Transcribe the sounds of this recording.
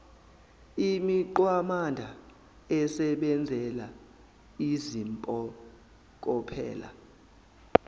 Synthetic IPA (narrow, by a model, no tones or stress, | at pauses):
imiǃwamandʱa | ɛsɛɓɛnd͡zʱɛla | izimpʼɔ | k̬ʼɔpʰɛ̰ːla̰